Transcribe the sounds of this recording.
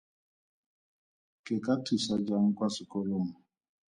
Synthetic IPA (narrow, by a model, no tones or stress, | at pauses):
kekatisad͡ʒaŋ̩kwasikɔlom̩